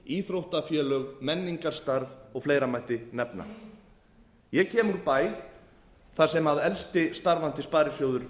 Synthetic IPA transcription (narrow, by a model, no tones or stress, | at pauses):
iːθɾowht̪afjɛːlœɣmɛnːiŋkaɾ̥st̪aɾvɔɣfleːjɾamajht̪ɪnɛpna̰ | jɛcʰɛːmʏɾpaːj | θaɾ̥sɛmaðɛlst̪ɪst̪aɾvan̥t̪ɪspaːɾɪsjowðʏɾ̥